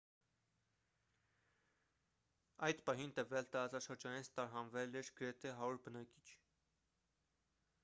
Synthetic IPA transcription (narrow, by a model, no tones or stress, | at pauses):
ɑjd̪pɑɦint̪əvjɑlt̪ɑɾɑt͡sɑʃəɾd͡ʒɑninst̪ɑɾɦɑnvɛlɛɾɡ̥əɾɛt̪ʰɛɦɑɾuɾbənɑki̥t͡ʃʰ